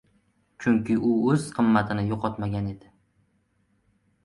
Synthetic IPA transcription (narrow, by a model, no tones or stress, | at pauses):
t͡ʃʰʊŋkʲʰɪʔʊɵz̥qʰɨmːat̪ʰɪnɪjoqʰɒt̪maɡʲane̞d̪ɪ